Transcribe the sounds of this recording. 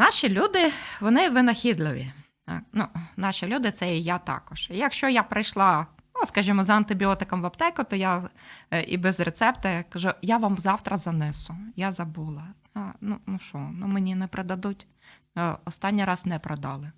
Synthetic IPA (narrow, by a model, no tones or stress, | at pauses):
nɑʃʲilʲud̪ɪʋɔnɪʋɪnɐxʲid̪lˠɪʋʲḭ | nunɑʃʲilʲud̪ɪt̪sɛijat̪ɑ̰kɔʒ̥ijɐkʃt͡ʃɔjapɾɐjʃlˠɑ | nuskɐʒimɔzɐɐnt̪ɪbʲiɔt̪ɪkɐmʋɐpt̪ɛkʊt̪ɔja | ḭbɛzɾet̪sɛpt̪ɐkɐʒʊjaʋɑmzɑwt̪ɾɐzɐnɛsʊjazɐbulˠɐ | ɐnunuʃɔnumenʲinɛpɾed̪ɐd̪utʲ | ɔst̪ɑnʲːijɾɑznɛpɾɔd̪ɑlˠɪ